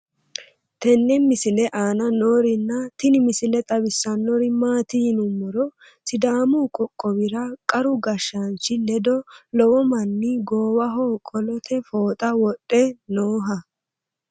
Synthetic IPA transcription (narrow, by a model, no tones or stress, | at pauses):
t̪ɛnːɛmɪsɪlɛʔaːnɐnoːɾɪnːɐt̪ɪnɪmɪsɪlɛt̪ʼɐbɪsːɐnɔɾɪmaːt̪ɪjɪnʊmːɔɾɔ | sɪd̪aːmukʼɔkʼːɔwɪɾɐkʼɐɾʊɡɐʃːɐnt͡ʃːɪlɛd̪ɔlɔwɔmɐnːɪɡoːwɐɦoːkʼɔlɔt̪ʰɛfoːt̪ʼɐwɔɗʼːɛnoːɦɐ